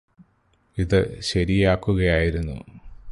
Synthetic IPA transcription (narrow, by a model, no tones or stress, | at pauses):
iðɨɕɐɾijaːkːuɣɐjaːjiɾunːṵ